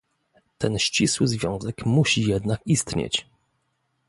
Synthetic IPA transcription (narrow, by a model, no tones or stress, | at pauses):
t̪ɛnɕt͡ɕiswɘzvʲjɔ̃w̃zɛkmuɕijɛd̪nakist̪ɲḛt͡ɕ